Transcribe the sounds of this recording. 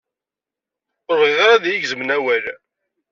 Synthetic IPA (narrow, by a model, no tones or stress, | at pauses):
ʊɾˤʁiðaɾˤɑðjiɡzmnæwæl